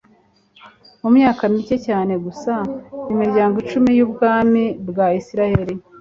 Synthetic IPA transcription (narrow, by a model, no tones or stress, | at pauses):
mumɲaːkamice̞caːne̞ɡusaimiɾɟaːŋɡot͡ʃumijuːb̚ɡaːmibɡaisiɾaheɾi